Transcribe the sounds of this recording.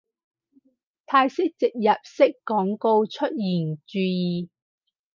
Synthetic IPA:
t̪ʰaː˧jsɪ˥k̚t͡sɪ˨k̚jɐ˨p̚sɪ˥kːɔː˨˥ŋko˧wt͡ʃʰɵ˥t̚jiː˨˩nt͡ʃyː˧jiː˨

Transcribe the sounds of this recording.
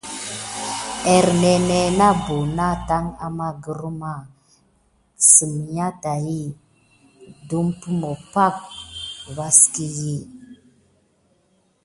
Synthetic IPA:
e˨ɾne˨ne˨na˦bu˨na˦ta˦ŋa̰˨ma˦ɡə˨ɾu˦ma˦˨ | sə˨m˨ja˦ta˨ji˦ | du˦mpu˦mo˨pa˦k̚va˦ski˦ji˦˨

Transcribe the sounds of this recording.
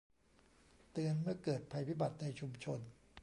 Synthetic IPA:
t̪ɯ˧ənmɯ˥˩əkɤː˨˩t̪̚pʰa˧jpʰi˦˥ba˨˩t̪̚na˧jt͡ɕʰu˧mt͡ɕʰo˧n

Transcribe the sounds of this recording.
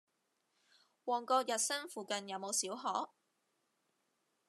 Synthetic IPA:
wɔː˨˩ŋkɔː˧k̚jɐ˨t̚sɐ˥ŋfuː˨kɐ˨njɐ˨˥wmo˨˧wsiː˨˥wɦɔː˨˥

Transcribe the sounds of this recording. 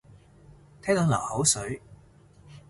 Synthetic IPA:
t̪ʰɛː˥ŋt̪ɔː˨˧˥nlɐ̰˨˩ho˨˥wsɵ˨˥ɥ

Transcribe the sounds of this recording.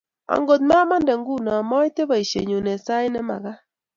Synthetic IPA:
a̰˨ŋɡo˨t̪̬̚ma˦ma˦ndɛ˨ŋɡu˦˨na˨mɔ˦i˦te˦ba˨i˨ʃḛ˨ɲo˨nɛ˨sa˦ɪ˦nɛ˦ma̰˨ɣa˦

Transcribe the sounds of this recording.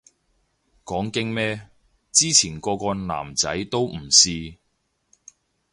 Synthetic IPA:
kɔː˨˥ŋkɪ˥ŋmɛː˥ | t͡siː˥t͡sʰiː˨˩nkɔː˧kɔː˧nla̰ː˨˩mt͡sɐ˨˥jt̪o˥wm̩˨˩siː˧

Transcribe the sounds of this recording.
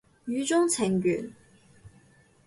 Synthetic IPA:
ɥyː˨˥t͡sʊ˥ŋt͡sʰɪ˨˩ŋky̰˨˩n

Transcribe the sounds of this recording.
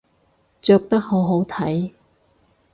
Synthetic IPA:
t͡ʃœː˧k̚t̪ɐ˥k̚ho˨˥wɦo˨˥wt̪ʰɐ˨˥j

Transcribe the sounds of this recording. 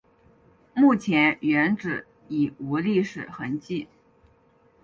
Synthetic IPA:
mu˥˩t͡ɕʰjɛ˧˥nɥɛ˧˥nʈ͡ʂɻ̩˨˩ | i˨˩u˧˥li˥˧ʂɻ̩˨˩xə˧˥nt͡ɕi˥˩

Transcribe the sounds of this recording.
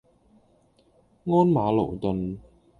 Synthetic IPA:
ŋɔː˥nmaː˨˥lo̰˨˩wt̪ɵ˨n

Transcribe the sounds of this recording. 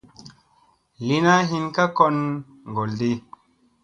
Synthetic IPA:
li˦na˦ɦi˦nka˦ko˦n | ŋɡo˨ldi˦

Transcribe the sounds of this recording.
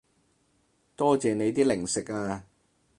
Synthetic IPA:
t̪ɔː˥t͡sɛː˨ne˨˧jt̪iː˥lɪ˨˩ŋsɪ˨k̚aː˧

